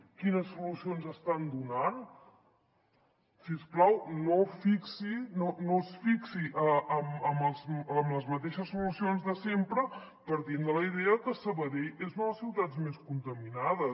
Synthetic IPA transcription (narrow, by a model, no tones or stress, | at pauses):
kinəsːulusionzəst̪and̪unan | finsklawnofiksinonosfiksiʔəʔəməməlˠzəmləzmət̪eʃəsːulusionzðəsempɾə | pəɾt̪ind̪ələiðɛəkəsəβəɾejezunəðəsiwt̪ad͡zmeskunt̪əminaðə